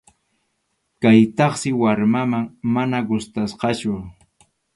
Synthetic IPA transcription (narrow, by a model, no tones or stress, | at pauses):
kajt̪ɑχsɪwaɾmamaŋmanaɡʊst̪asqɑt͡ʃʊ